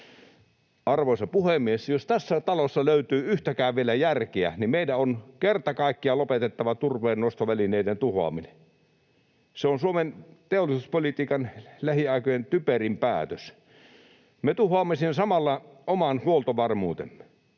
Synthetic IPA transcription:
ɑrʋoˑsɑpuhemiesjost̪æsːæt̪ɑlosːɑløyt̪yːyht̪ækæˑːʋʋielæjærkeæ̰nimmeidæonkert̪ɑkɑˑikːiɑlopet̪et̪ːɑʋɑt̪urʋeːnnost̪oʋælineident̪uhoɑ̰mine | seonsuoment̪eolːˑisuspolit̪iːkɑnlæhiɑˑikojent̪yperimpæːt̪øs | met̪uhoɑːmːesinːsɑmɑlːɑomɑnhuolt̪oʋɑrmuːt̪ḛmːe

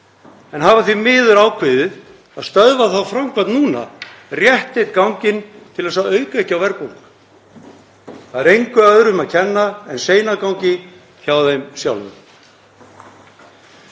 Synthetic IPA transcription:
ɛnɦaːvaθvimɪːðʏɾaːwkʰvɪðɪð | aðst̪œðvaθawfɾamkʰvant̪nuːna̰rjɛht̪ejt̪kawɲcɪnt̪ʰɪlasaðœːɥkaɛhcːɪawvɛɾpuŋkk | θaðɾejŋkʏœðɾʏmaðcʰɛnːaɛnseːjnakawŋcɪ | çaːwðejmsjawlʏ̰m

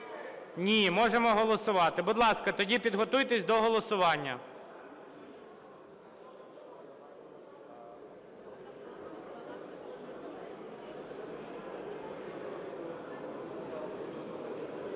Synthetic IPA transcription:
nʲimɔʒemɔɦɔlˠɔsʊʋɑt̪ɪbʊd̪lˠɑskɐt̪ɔdʲipʲid̪ɦɔt̪ujt̪ɛsʲd̪ɔɦɔlˠɔsʊʋɑnʲːɐ

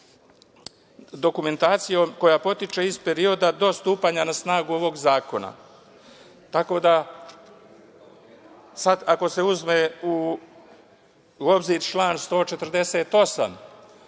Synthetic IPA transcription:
d̪o̞kume̞nt̪aːt̪sijo̞mko̞japo̞t̪it͡ʃe̞izpe̞ɾio̞d̪ad̪o̞st̪uːpaːɲanasnaːɡuo̞ʋo̞ɡzaːko̞na̰ | t̪ako̞ːd̪a | sad̪ako̞se̞uzme̞u | o̞bziɾt͡ʃlˠaːnst̪o̞ːt͡ʃe̞t̪ɾd̪e̞se̞ːt̪o̞sa̰m

